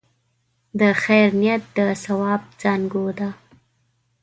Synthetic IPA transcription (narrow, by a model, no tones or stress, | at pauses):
d̪əxajɾnijat̪̚d̪əsawɑb̚d͡zɑnɡod̪a